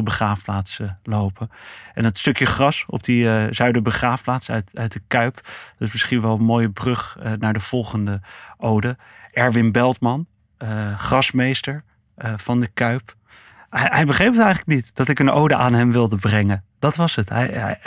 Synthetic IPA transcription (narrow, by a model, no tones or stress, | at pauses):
əbəχraːfplaːtsəlowpəʔɛ̰nətstɵkjəχrɑsɔ̰p̚dəzœɥdəɹbəχaːfplaːtstœɥt̚dəkœɥpd̥ɑtɪsmɪsχinʋɛlˠənmoːjəbrɵχnaːɹdəv̥ɔlˠχəndəʔowdə | ɛɹvɪnbɛlˠtmɑn | χrɑsmejstəɹ | v̥ɑndəkœɥp | ɦɛjbəχrejpətɛjχələknitd̥ɑtɪkəno̰wdəʔaːnɦɛmʋɪlˠdəbrɛŋəd̥ɑtʋɑsətɦɛ̰j